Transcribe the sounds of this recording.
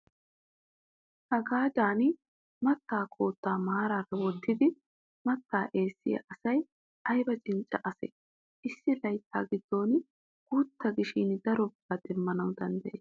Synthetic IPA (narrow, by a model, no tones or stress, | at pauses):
hɐɡaːd͡ʒaːn | mɐt̪ːaːkʰo̞ːt̪ːaːmaːɾaːɾɐwɔt̪ːɪd̪ɪ | mɐt̪ːaːʔe̞ːsːɪ̰jɐ̰ʔɐsɐj | ʔɐjbɐt͡ʃʼɪnt͡ʃʼːɐʔɐsḛ | ʔɪsːɪlɐjt̪ʰːa̰ːɡɪd̪̥ːo̞ːn | ɡ̥uːt̪ːɐɡɪʃind̪ɐɾɔbɐd̪ɛmːɐnɐwd̪ɐnd̪ɐʔeːs